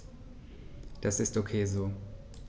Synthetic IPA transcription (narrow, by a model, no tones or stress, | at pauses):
d̥asɪstokʰeːzoː